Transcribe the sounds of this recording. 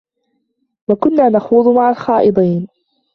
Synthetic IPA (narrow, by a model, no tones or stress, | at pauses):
wakʊnːaːnaxuːðˤmaʕalxɑːʔɨd̪ˤiːn